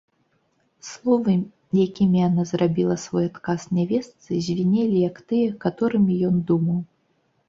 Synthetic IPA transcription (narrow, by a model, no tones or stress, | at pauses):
slˠɔvɨ | jakʲimʲijanazrabʲilˠɐsvɔjat̪kasnʲavʲɛst̪sɨzʲvʲinʲelʲijɐkt̪ɨjɛkat̪ɔɾɨmʲijɔnd̪umɐw